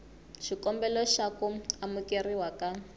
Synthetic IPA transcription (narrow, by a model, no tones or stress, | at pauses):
ʃikɔmbɛlɔʃakuamukeriwaka